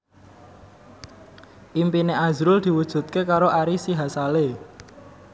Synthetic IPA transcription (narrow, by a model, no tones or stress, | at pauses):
ʔimpineazɾʊld̪̥i̤wud̥ʒ̥ṳt̪̚kekaɾoʔaɾisiɦasale